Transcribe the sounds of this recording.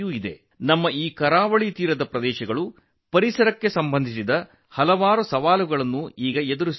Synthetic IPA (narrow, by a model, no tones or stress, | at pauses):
uːid̪e̞̰ | nɐmːɐiːkɐɾaːʋɐɭit̪iːɾɐd̪ɐpɾɐd̪ɛːʃɐɡɐɭu | pɐɾisɐɾɐkːe̞sɐmbɐnd̪ʱisid̪ɐ | hɐlɐʋaːɾusɐʋaːluɡɐɭɐnːuiːɡɐed̪uɾus